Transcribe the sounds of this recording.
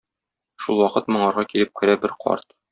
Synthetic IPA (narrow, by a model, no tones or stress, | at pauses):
ʃulˠwɒqɤt̪mŏɴɑɾʁɑkilɘp̚kɘ̆ɾæbɘɾqʰɒ̰ɾt̪